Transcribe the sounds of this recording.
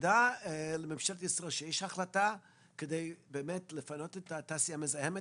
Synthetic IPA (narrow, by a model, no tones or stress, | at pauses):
dalememʃeltisʁoʃejeʃhaχlata | kedejbeːmetlefano̞tetat̪asijamezajeme